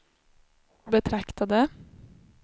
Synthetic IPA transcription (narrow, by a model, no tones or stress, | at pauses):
bət̪ʰɾɑkt̪ɑd̪ə